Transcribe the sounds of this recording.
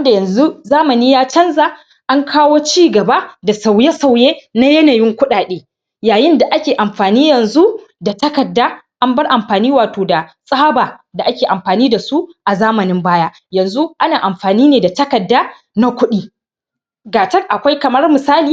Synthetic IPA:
nda˨jɐ˨nzu˦zaː˦mɐ˨niː˦jaː˦t͡ʃɐ˦nza˨ | ʔa˦ŋkʰaː˦woː˦t͡ʃiː˦ɡɐ˨ba˦da˨sa˨wje˦sa˨wjeː˦na˦jɐ˦naː˨jɪ˦ŋkʷʊ˦ɗaː˨ɗeː˦ | jaː˨jɪ˦nda˨ʔa˦kʲeː˨ʔa˨mɸaː˨niː˦jɐ˨nzu˦da˨tɐ˦kɐ˨dːaː˦ʔa˦mbɐ˦rʔa˨mɸaː˨niː˦waː˨toː˨da˨sʼaː˦baː˨da˨ʔa˦kʲeː˨ʔa˨mɸaː˨niː˦da˨su˦ʔa˨zaː˦mɐ˨nɪ˦mbaː˦jaː˦ | jɐ˨nzu˦ʔa˦naː˨ʔa˨mɸaː˨niː˦neː˨da˨tɐ˦kɐ˨dːaː˦ | na˦kʷʊ˦ɗiː˦ | ɡaː˨t͡ʃɐ˦kʔa˨kʷa˦jkɐ˨mɐ˦rmɪ˨saː˦liː˦

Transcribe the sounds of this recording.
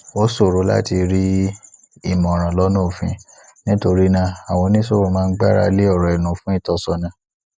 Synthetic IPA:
wo˨˦so˦˨ɾo˨˦la̰˦ti˧ɾi˦ | i˦˨mɔ̃˨ɾ̃ã˨lɔ˦nũ˦o˨fḭ̃˨˧˦ | nĩ˦to˧ɾi˦nã˧˦a˨w̃ɔ̃˧nĩ˦so˦o˧˦˨mãː˦n̩˦ɡ͡ba˦ɾa˧le˦ɔ˦˨ɾɔ˨ɛ˨nũ˨˦fũ˦i˦˨tɔ˧˨sɔ˧nã˧

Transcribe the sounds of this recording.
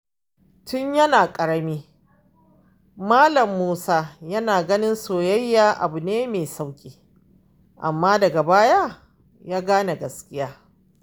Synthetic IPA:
tʊ˦ɲjɐ˦naː˨kʼɐ˨ɽɐ˦miː˦ | maː˦lɐ˨mːuː˦saː˦jɐ˦naː˨ɡɐ˦nɪ˦nsoː˨jɐ˦jːaː˨ʔa̰˨bʊ˨neː˦meː˨sa˦wkʲʼiː˦ | ʔa̰˨mːaː˦dɐ˨ɡa˨baː˦ja˦ | jaː˦ɡaː˦na˨ɡɐ˨skʲʼɪ˦jaː˦

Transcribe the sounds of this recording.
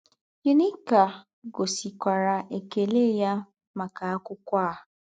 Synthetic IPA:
je˦ni˦ka˨ | ɡo˨si˨kʷa˨ɾa˨ʔe˨ke˨le˦˨ja˦ | ma˨ka˨a˦kʷʊ˦kʷa˦˨

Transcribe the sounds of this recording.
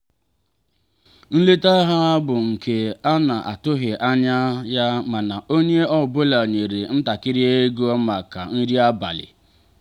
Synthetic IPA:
n̩˦le˦ta˦ɦa˦bʊ˨ŋ̩˨kʰe˨a˦na˨ʔa̰˨tʊ˦ɦɪ˨ʔa˦ɲa˦ja˦ma˨na˨o˦ɲe˦ɔ˦˨bʊ˦la˨ɲe˨ɾe˨n̩˦ta˨kɪ˦ɾi˦e˦ɡo˦ma˨ka˨n̩˦ɾi˦a˦ba̰˨lɪ̰˨

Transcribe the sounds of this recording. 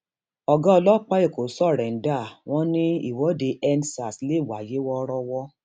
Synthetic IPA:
ɔ˧ɡɔ̃˦ɔ˧lɔ˦˨k͡pa˦e˦˨ko˨˦sɔ˦˨ɾɛ̃˨n̩˦da˦˨w̃ɔ̃˦nĩ˦ḭ˦˨wɔ˨˦de˧ɛ˦nsa˨sle˦˨wa˨je˨˦wɔ˦ɾɔ˧wɔ˦

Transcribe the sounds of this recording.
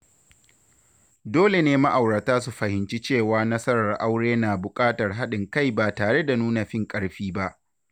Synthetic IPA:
doː˦le˨neː˦ma˦ʔa˨wɽɐ˨taː˦s̬u˨ɸɐ˨hɪ˨nt͡ʃi˦t͡ʃeː˦˨waː˦nɐ˦sɐ˦ɾɐ˨rʔa˦wɽeː˦naː˨bʊ˨kʼaː˦tɐ˨rɦa˦ɗɪ˨ŋka˦˨jbaː˨taː˨ɽe˦da˨nuː˦na˨ɸɪ˦ŋkʼɐ˦ɽɸiː˦ba˦ʔ

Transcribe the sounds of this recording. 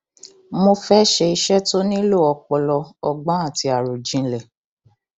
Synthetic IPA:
mo˧fɛ˦ʃe˧i˧ʃɛ˦to˦nĩ˦lo˦˨ɔ˧k͡pɔ˧lɔ˧ɔ˧ɡ͡bɔ̃˨˦a˦˨ti˧a˨ɾo˨d͡ʒĩ˨˦lɛ˨

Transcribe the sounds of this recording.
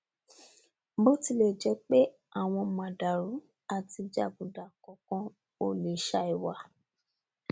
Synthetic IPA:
bo˦ti˧le˦˨d͡ʒɛ˨˦k͡pe˦ | a˦˨w̃ɔ̃˧mã˨da˨ɾu˨˦ | a˦˨ti˧d͡ʒa̰˦˨bũ˨da˨kɔ˨˦kɔ̃˦ | o˦le˨ʃa˧i˨wa˨

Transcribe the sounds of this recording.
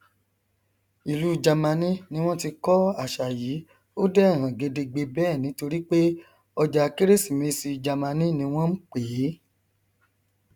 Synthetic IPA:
i˨lu˨˦d͡ʒa˨mã˧nĩ˦nĩ˦w̃ɔ̃˦ti˧kɔ˦a˦˨ʃa˨ji˨˦ | o˦dɛ˦ɛ˦˨ɦã˨ɡe˧de˧ɡ͡be˧bɛː˦˨nĩ˨˦to˧ɾi˦k͡pe˦ | ɔ˧d͡ʒa˧ki˦ɾe˦si˨mẽ˨˧˦si˧d͡ʒa˨mã˧nĩ˦nĩ˧˦w̃ɔ̃˦n̩˦k͡pe˨˦

